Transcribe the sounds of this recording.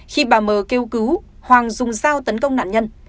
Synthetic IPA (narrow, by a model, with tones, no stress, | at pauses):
xi˧ɓaː˨˩məː˨˩ke˧wkɨ˨˦whwaː˨˩ŋzʊ˨˩ŋ͡mzaː˧wt̪ə˨˦nkə˧wŋ͡mna̰ː˧˨nɲə˧n